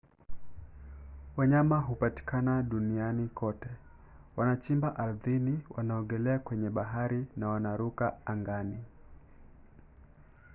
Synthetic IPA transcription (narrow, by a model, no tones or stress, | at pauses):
waɲamaɦupati̥kanaɗunianikʰɔtɛ | wanat͡ʃimbaʔaɾðiniwʔanaɔɡɛlɛakwɛɲɛɓaɦaɾinawanaɾukaaŋɡani